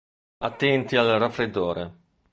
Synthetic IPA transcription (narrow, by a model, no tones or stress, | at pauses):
at̪ːɛnt̪ialrafɾed̪ːoːɾe